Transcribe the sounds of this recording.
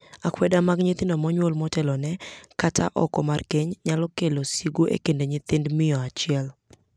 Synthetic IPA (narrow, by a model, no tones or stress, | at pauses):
akwɛdamaɡɲɪt̪ɪndɔmɔɲwolmɔtɛlɔnɛkata̰ʔɔ̰kɔmarkeɲɲalɔkelosiɡoʔḛkendeɲɪt̪ɪndmɪjɔat͡ʃɪɛl